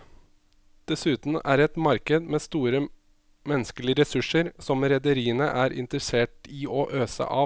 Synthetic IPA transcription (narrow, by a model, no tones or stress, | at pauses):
d̪̥ɛsʉːt̪n̩æ̰ːɾɛt̪mɑɾkəd̪meːst̪uːɾə | mɛnːəskəlɪəɾɛsʉʂəɾsɔmɾɛd̪əɾiːənəʔæːɾɪ̰nt̪əɾəseːʈiːʔoːʔøːsə̰ʔɑː